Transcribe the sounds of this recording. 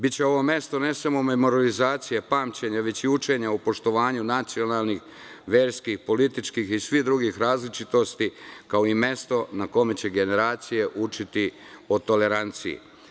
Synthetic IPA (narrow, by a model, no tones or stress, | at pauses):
bitt͡ɕe̞o̞ʋo̞mje̞st̪o̞ne̞samo̞me̞mo̞ɾalizaːt̪sijepaːmt͡ɕe̞ɲaʋe̞t͡ɕiut͡ʃe̞ɲaupo̞ʃt̪o̞ʋaːɲunat̪sio̞naːlnix | ʋe̞ːɾskixpo̞lit̪it͡ʃkixisʋid̪ɾuɡixɾaːzlit͡ʃit̪o̞st̪ikao̞ime̞st̪o̞nako̞me̞t͡ɕe̞ɡe̞ne̞ɾaːt̪sije̞ʔut͡ʃit̪i | ot̪o̞le̞ɾant̪sḭḭ